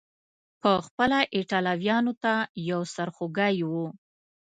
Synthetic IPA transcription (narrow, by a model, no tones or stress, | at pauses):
pəxpəlaʔeʈɑlɑwjɑnot̪ajawsaɾxoɡajwu